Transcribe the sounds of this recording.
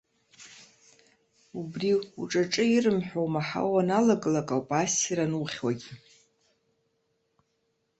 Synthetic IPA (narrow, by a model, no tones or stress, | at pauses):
ubriuʈ͡ʂʼaʈ͡ʂʼɨirɨmħʷᶣowmaħa̰wanalaɡʼlakʼawpʼasiɾanuχʲwaɡʲi